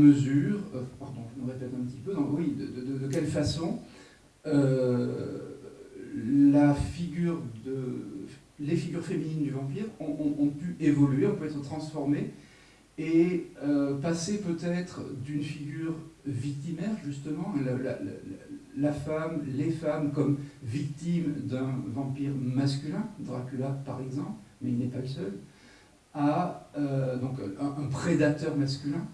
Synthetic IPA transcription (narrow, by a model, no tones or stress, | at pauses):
məzyʁɛpaʁd̪ɔ̃ʒənəʁepɛt̪ɛ̃pət̪ipød̪ɔ̃wid̪əd̪əd̪əd̪ək̬ʲɛlfasɔ̃ | ø | lafiɡʲyʁd̪ə | lefiɡʲyʁfeminind̪yvɑ̃p̬iʁɔ̃ʔɔ̃ʔɔ̃pyʔevɔlɥeɔ̃pyɛt̪χət̪χɑ̃sfɔʁme | eøpasepøt̪ɛt̪χəd̪ynfiɡʲyʁvik̚t̪imɛʁʒyst̪əmɑ̃ləla̰l̰lafamlefamkɔmvik̚t̪imd̪ɛ̃vɑ̃piʁmaskʲylɛ̃d̪ʁakʲylapaʁɛɡzɑ̃plmɛilnɛpaləsœl | aød̪ɔ̃kɛ̃ʔːpχed̪at̪œʁmaskʲylɛ̃